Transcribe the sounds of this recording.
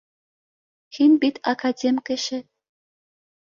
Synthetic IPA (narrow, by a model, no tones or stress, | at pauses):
xinbit̪ɑkɑdʲemʲkɘ̆ʃɘ̆